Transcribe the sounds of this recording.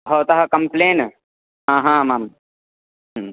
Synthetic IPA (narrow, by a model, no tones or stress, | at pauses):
ɦoːt̪ɐɦɐkɐmpleːn | ɦãːɦãmaːm | ɦ